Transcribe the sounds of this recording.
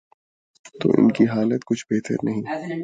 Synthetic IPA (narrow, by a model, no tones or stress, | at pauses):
t̪o̰ːʔɪ̰nkiɦaːlət̪kʊt͡ʃʰbeːt̪ə̰ɾnɐɦĩː